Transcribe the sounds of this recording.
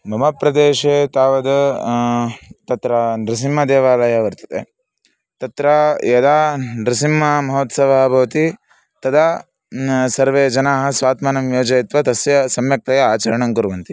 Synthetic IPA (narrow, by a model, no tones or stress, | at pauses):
bʱɐmɐpɾɐd̪eːʃet̪aːʋɐd̪ɐ | t̪ɐt̪ɾaɾis̬imːɐd̪ɛːʋaːlɐjɐʋɐɾt̪ɐ̥t̪e | t̪ɐt̪ɾajɐd̪aːnɾisimːɐmɐɦoːt̪sɐʋabʱɐʋɐt̪i | t̪ɐd̪a | sɐɾʋeːd͡ʒɐnaːɦɐ̆sʋaːt̪maːnɐmjoːd͡ʒɐjit̪ʋɐt̪ɐsjɐsɐmjɐk̚t̪ɐjɐaːt͡ʃɐɾɐɳɐŋkuɾʋɐnt̪i